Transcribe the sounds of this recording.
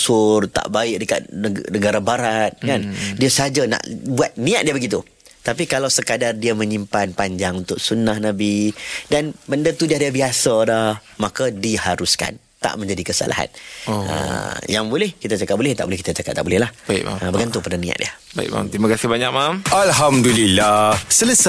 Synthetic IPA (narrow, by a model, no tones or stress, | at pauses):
sʊrt̪a̰ʔbaɪʔ̚dəka̰t̪̚nənəɡaɾabaɾat̪̚kandiasəɦad͡ʒana̰ʔbuat̪̚nĩa̰ʔ̪̚diəbəɡit̪u | t̪ap̬ikalawsəkadardiamə̃ɲimpanpaɲd͡ʒaŋunt̪ʊk̚sunahnãbidanbəndat̪udiadiəbiasadah | makadihaɾuska̰n | t̪a̰ʔmə̃ɲd͡ʒadikəsa̰lʔa̰ɦa̰nə̰jaŋbolɛhkit̪at͡ʃakat̚bolɛht̪aʔ̚bolɪhkit̪at͡ʃakat̚t̪ːaʔbolɛɦlahbaḭma̰məbəɡant̪ʊpandanĩa̰t̪̚dḭə | baḭk̚ma̰mt̪imakasɪhbaɲak̚mamalɦamdulilahsələs